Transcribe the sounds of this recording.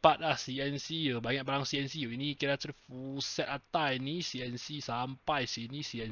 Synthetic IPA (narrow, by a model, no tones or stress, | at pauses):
pat̪̚lahsiɛnsiəbaɲaʔk̚baɾaŋsiɛnsijəinikiɾat̪əɾifusɛt̪at̪ainisiɛnsisampajsinisiɛn